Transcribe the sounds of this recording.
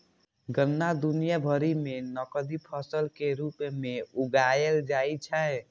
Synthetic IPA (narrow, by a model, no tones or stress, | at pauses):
ɡənːad̪unijabʱəɾimenəkəd̪ipʰəsəlkeɾupmeuɡajeld͡ʒajt͡ʃʰɛ